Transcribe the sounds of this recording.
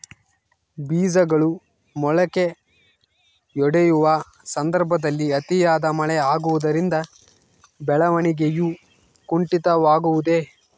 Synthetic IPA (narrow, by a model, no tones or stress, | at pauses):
biːzɐɡɐɭu | mɔɭɐke̞ | jɔɽejuʋɐ | sɐnd̪ɐɾbʱɐd̪ɐlːiɐt̪ijaːd̪ɐmɐɭɛaːɡuʋud̪ɐɾind̪ɐ | bɛɭɐʋɐɳiɡeju | kuɳʈit̪ɐʋaːɡuʋud̪e̞